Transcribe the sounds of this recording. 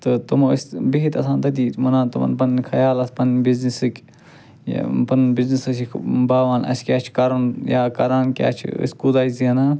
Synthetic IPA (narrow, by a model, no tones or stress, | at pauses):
t̪ɨt̪ɨmɐəsʲbiɦit̪ɐsʰãːnt̪ɐd̪iːmɐnaːt̪umɐ̰npɐnkʰɐjaːlɐspɐnbiznisɨkʲ | j̰pɐnbiznisɐsibaːʋaːnɐ̰skʲaːt͡ʃʰkɐɾunjaːkɐɾaːnkʲa̰ːt͡ʃʰḭsʲkud̪aːiziɐnaː